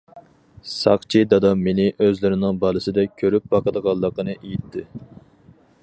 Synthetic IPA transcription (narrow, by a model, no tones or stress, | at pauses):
sɑqt͡ʃʰid̪ɑd̪ɑmenɪʔøzlɪɾɪnɪŋbɑlˠɨsɨd̪ɛkʲʰøɾyp̚bɑqəd̪əʁɑlˠːəqənɨʔejit̪ʰːɪ